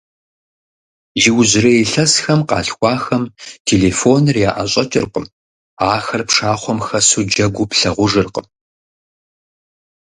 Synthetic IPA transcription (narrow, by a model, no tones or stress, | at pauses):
jɪwzɪrɐjeɬɐsxɐmqɑ̰ːɬxʷɑːxɐmtʰeːleːfoːnrjaːʔɐɕʼɐt͡ʃʼɪrqəm | aːxɐrpʂaːχʷɔmxɐsuːd͡ʒɐɡʷʊpɬɐʁʷʊʐɨrqəm